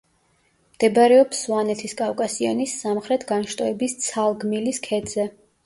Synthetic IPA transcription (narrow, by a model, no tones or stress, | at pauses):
md̪̥ɛbaɾɛɔpsuanɛt̪ʰiskʼafkʼasia̰nisːamχɾɛt̪ʰɡanʃt̪ʼɔɛbist̪sʰalˠɡmiliskʰɛd̪z̥ɛ